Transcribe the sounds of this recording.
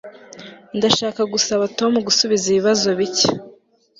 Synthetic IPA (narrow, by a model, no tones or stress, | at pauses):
ndaʃaːkaɡusaβato̞muɡusuβiziβiβazo̞βicḁ